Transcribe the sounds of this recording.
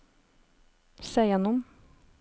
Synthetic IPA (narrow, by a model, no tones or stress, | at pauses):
seːjɛnɔm